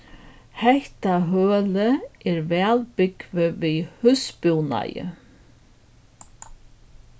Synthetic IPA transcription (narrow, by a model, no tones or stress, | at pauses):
hɛht̪aɦœːləɛɾvɛːlpʏkvɪvihʉspuwna̰jɪ̰